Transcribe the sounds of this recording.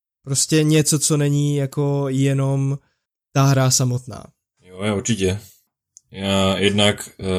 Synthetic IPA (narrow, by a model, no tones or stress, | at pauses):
pɾoscɛɲɛt͡so̞t͡so̞nɛɲiːjako̞jɛno̞m | t̪aɦɾasamo̞t̪na̰ː | jojauɾt͡ʃɪcɛ | jajɛdnak